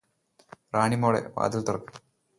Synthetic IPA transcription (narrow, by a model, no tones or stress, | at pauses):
raːɳimoːɽḛʋa̰ːd̪ɐlt̪urɐkːɨ̥